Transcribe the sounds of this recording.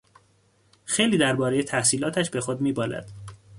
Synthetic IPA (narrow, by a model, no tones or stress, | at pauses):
xejliːd̪æɾbɒːɾe̞jet̪ʰæhsiːlɒːt̪ʰæʃbe̞xod̪miːbɒːlæ̰d̪̥